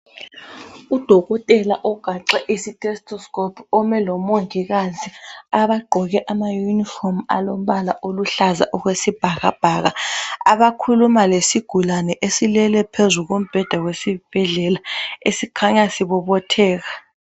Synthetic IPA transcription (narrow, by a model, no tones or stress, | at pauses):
ud̥ʱɔɣɔtʼɛlaʔɔɡ̥ʱaǀɛʔisitʼɛstʰʼɔskʼɔpʰɔmɛlɔmoŋɡʱiɣaziaβaɡ͡ǃʱɔɣɛʔamajunifɔma̰lom̩ɓalaʔoluɬaza̰ʔɔɣwesib̥ʱaɣab̥ʱaɣaaβakʰulumalesiɡ̥ʱulanɛʔesilɛlɛpʰezuɣom̩b̥ʱɛd̥ʱaɣwesib̥ʱɛɮɛlaesikʰaɲasiβɔɓɔtʰɛːɣa